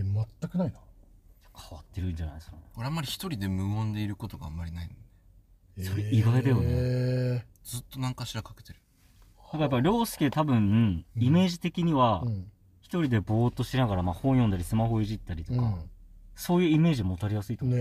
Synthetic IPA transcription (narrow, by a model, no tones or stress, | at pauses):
mat̪ːakɯnainḁd͡ʑḁkʰaβat̪ːeɾɯ̟ɲd͡ʑana̰iskaneko̞ɾeamːaɾʲiçi̥t̪o̞ɾʲid̪e̞mɯ̟õnd̪e̞iɾɯ̟ko̞t̪o̞ɡa̰amːaɾʲinainone | so̞ɾeiɡaɾed̪ejone | d͡zɨt̪ːo̞nãŋkaɕiɾakake̞̥t̪e̞ɾɯ̟ | nakajap̬ːaɾʲo̞ːsɨ̥ket̪abɯ̟̃ɰ̩ime̞ːʑit̪e̞kʲiɲ̟iβa | çi̥t̪o̞ɾʲid̪e̞bo̞ːt̪o̞ɕinaɡaɾamaːhõ̞ɰ̃jond̪aɾʲisɨmaho̞iʑit̪ːaɾʲit̪o̞kaso̞ːjɯ̟ːime̞ːʑiomo̞t̪aɾʲijasɨit̪ok